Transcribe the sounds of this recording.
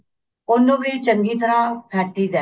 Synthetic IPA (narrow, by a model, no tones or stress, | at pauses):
ʊnːũːbiːt͡ʃəŋɡiːt̪əɾãːpʰɛːʈːiːd̪ɛː